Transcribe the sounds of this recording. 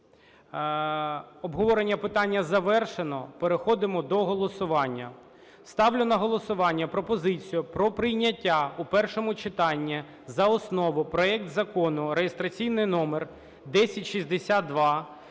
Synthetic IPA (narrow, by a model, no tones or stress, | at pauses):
ɔbɦɔʋɔɾenʲːɐpɪt̪ɑnʲːɐzɐʋɛrʃenɔpeɾexɔd̪ɪmɔd̪ɔɦɔlˠɔsʊʋɑnʲːɐ | st̪ɑwlʲʊnɐɦɔlˠɔsʊʋɑnʲːɐpɾɔpɔzɪt͡sʲijʊpɾɔpɾɪjnʲɐtʲːaupɛrʃɔmʊt͡ʃɪt̪ɑnʲːi | zɐɔsnɔʋʊpɾɔɛk̚t̪zɐkɔnʊɾejest̪ɾɐt͡sʲijnɪjnɔmer | d̪ɛsʲɐtʲʃizʲd̪esʲat̪̚ːʋɑ